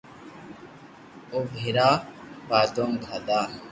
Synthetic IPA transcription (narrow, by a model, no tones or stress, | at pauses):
obʱiɾaːpaːd̪omɡʱad̪aː